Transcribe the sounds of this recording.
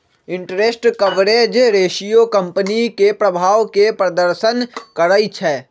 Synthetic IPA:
ɪ̃ɳʈɾesʈkɐʋɾeːd͡ʒɾeːʃijokɐ̃mpənikepɾɐbʱaːʋkepɾɐd̪əɾʃənkəɾəit͡ʃʰɛː

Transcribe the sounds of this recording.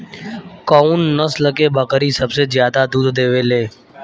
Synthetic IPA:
kouːnːəsləkeːbəkəɾiːsəbseːzjaːd̪aːd̪uːd̪d̪eːʋeːleː

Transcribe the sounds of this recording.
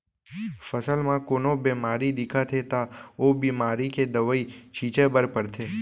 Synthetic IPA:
fəsəlmãkoːnobeːmaːɾid̪ɪkʰat̪ʰet̪aoːbiːmaːɾiked̪əʋəit͡ʃʰiːt͡ʃebəɾpəɾt̪ʰeː

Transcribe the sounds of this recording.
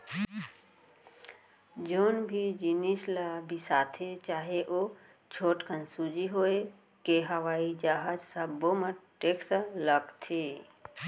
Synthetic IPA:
d͡ʒoːnbʱid͡ʒinislabʱisat̪ʰet͡ʃaːɦeʔo | t͡ʃʰoːʈkʰənsud͡ʒiɦoe | keɦəʋaːid͡ʒaɦəd͡ʒsəbomeʈeksələɡt̪ʰe

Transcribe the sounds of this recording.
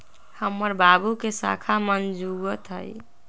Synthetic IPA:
həmːəɾbabukesa̰kʰamənd͡ʒuɡət̪ɦə̰j

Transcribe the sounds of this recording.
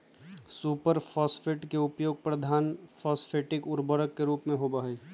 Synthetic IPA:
suːpəɾfʰɔːsfʰɪʈkeʊpjoːɡ̚pɾɐd̪ʱaːnfʰɔːsfʰeːʈɪkʊɾbəɾəkːeɾuːpmẽɦoːbaːɦeː

